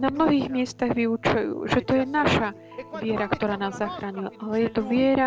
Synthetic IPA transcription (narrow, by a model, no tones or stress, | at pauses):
namnɔɦiːɣmɪɛst̪aɣʋiut͡ʃujṵːʒɛt̪ɔjɛnaʃa | ʋɪɛɾakt̪ɔɾaːnaːzːaxɾaːɲilʔalɛjɛt̪ɔʋɪɛɾa